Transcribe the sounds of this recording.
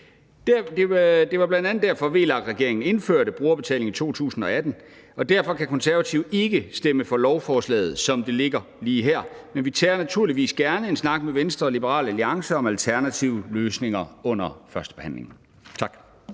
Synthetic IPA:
d̥d̥ed̥e̝ʋɑ̈b̥lænd̥ænð̩ˠd̥æɐfɒ̽ʋe̝̰ːlɑ̈ɡ̥d̥ʁɛɡ̥e̝ɐeŋn̩e̝nføɐɾ̥əb̥ʁuːɐb̥e̝t͡sʰɛ̰le̝ŋit͡sʰo̝̰ːt͡sʰṵːsn̩ɒ̽æd̥n̩ | ɒ̽d̥æɐfɒ̽kʰækʰɒ̽nsæɐʋæt͡sʰiʊe̝ɡ̥əsd̥eməfɒ̽lɒʊfɒːslɛ̰ːð̞̩ˠsɒ̽md̥e̝le̝ɡ̥ɐ | liːɦæɐ̰menʋit͡sʰɛːɐnæt͡sʰuɐ̰liʋḭːsɡ̥æɐnəe̝nsnɑ̈ɡ̥̚meʋensd̥ʁɐːlib̥əʁɑ̰̈ːlæliɑ̈ŋsəɒ̽mælt͡sʰæɐnæt͡sʰiʊəløːsne̝ŋɐɔ̽n̰ɐfɶɐsd̥ə̥b̥ehæn̰le̝ŋ̩ | t͡sʰɑ̈ɡ̥

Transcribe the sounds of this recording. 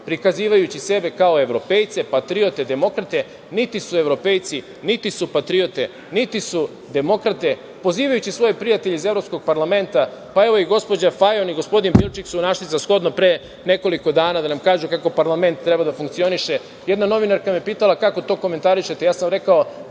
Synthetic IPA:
pɾikaziːʋajut͡ɕise̞be̞kao̞e̞ʋɾo̞pe̞ːjt̪se̞pat̪ɾiot̪ed̪e̞mo̞kɾat̪e̞ | nit̪isue̞ʋɾo̞pejt̪si | nit̪isupat̪ɾio̞t̪e | nit̪isu | d̪e̞mo̞kɾat̪e̞ | po̞ziːʋajut͡ɕisʋo̞jepɾijat̪eʎeize̞vɾopsko̞ɡ̚paɾlame̞nt̪apae̞ʋojiɡo̞spo̞d͡ʑafajoniɡo̞spo̞d̪inpilˠt͡ʃiksunaʃlisasxo̞d̪nopɾeː | ne̞ko̞liko̞d̪aːnad̪anamkaːʒukako̞paɾlˠame̞nt̪ːɾe̞bad̪afuŋk̚t̪sio̞niʃe̞ | je̞d̪nano̞ʋinaɾkamijepiːt̪alˠakako̞t̪o̞ːko̞me̞nt̪aɾiʃe̞t̪ejaːsamɾe̞kao̞

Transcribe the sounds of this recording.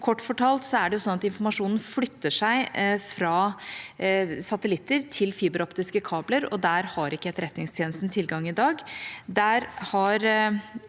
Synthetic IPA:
kʰɔʈːfɔʈʰɑːlt̪sɔæɖɛjʊsɔnɑt̪ɪnfɔɾmɑʂuːnn̩flʏt̪ːəʂæɪfɾɑː | sɑt̪əlɪt̪ːəɾt̪ʰɪlfiːbəɾɔpt̪ɪskəkʰɑːbləɾɔ̰d̪æːɾhɑɾɪkːəɛt̪ːəɾɛt̪nɪŋst̪ʰjeːnəst̪n̩t̪ʰɪlɡɑŋːɪd̪ɑːɡd̪æːɾhɑɾ

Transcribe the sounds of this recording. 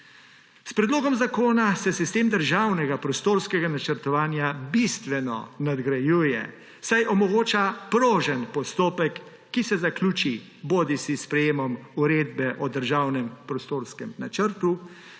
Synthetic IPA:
spɾɛd̪loːɡɔmzakoːnasɛsist̪eːmd̪əɾʒaːwnɛɡapɾɔst̪oːɾskɛɡanat͡ʃəɾt̪ɔʋaːnjabist̪ʋɛnɔ̰nad̪ɡɾajuːjɛ̰ | sajʔɔmɔɡoːt͡ʃapɾoːʒənpɔst̪oːpɛkː | isɛzaklʲuːt͡ʃi | boːd̪isispɾɛjeːmɔmuɾeːd̪bɛʔɔd̪əɾʒaːwnɛmpɾɔst̪oːɾskɛmnat͡ʃəɾt̪u

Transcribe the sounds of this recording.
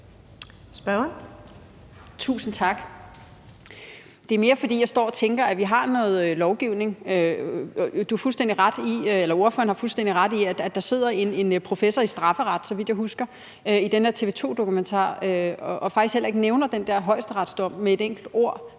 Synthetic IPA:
sb̥ɶn | t͡sʰṵːsn̩t͡sʰɑ̈ɡ̥ | d̥e̝æɐme̝ːɐfɒ̽d̥ḭːjɑ̈ɪsd̥ɒ̰ːɒt͡sʰeŋɡ̥ɐæʋiɦɑ̈nɔ̽ːð̩ˠlɒʊɡ̥iʊne̝ŋø | d̥uɑ̈fulsd̥end̥iʁad̥ielɐo̝ɐføɐnhɑ̈fulsd̥en̰d̥iʁɑ̈d̥iæ̥æd̥ɑ̈se̝ð̞̰ˠɐe̝ne̝npʰʁo̝fesɒɐisd̥ʁɑ̈fəʁɑd̥sɒ̽ʋid̥jɑ̈ɦusɡ̥ɐ | øid̥enæɐt͡sʰe̝ʋe̝ːt͡sʰo̝̰ːd̥o̝kument͡sʰɑ̰̈ːøɒ̽fɑɡ̥isɡhel̰ɐe̝ɡ̥neʊnɐd̥end̥æɐɦɒ̽ɪ̰sd̥əʁɑ̈d̥sd̥ɒm̰mee̝deŋ̰ɡ̥l̩d̥o̝ɐ̰

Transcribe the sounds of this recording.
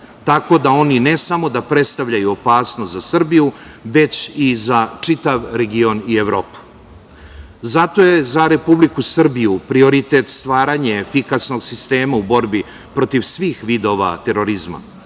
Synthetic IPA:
t̪ako̞d̪ao̞ninesamo̞d̪apɾe̞t̪st̪aʋʎajuopaːsnost̪zasr̩bijuʋe̞t͡ɕizat͡ʂit̪aʋɾeɡio̞nieʋɾo̞ːpu̥ | zat̪o̞je̞zaɾe̞publikusr̩bijupɾio̞ɾit̪et̪st̪ʋaːɾaɲefikasno̞ɡsist̪e̞ːmaubo̞ɾbi | pɾo̞t̪iʋsʋiːxʋid̪o̞ʋa̰t̪e̞ɾo̞ɾizma̰

